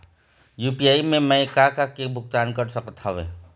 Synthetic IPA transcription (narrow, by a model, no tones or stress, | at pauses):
juːpijaːimẽmɛ̃kakakebʱʊɡ̚t̪aːnkəɾsəkət̪aʋḛː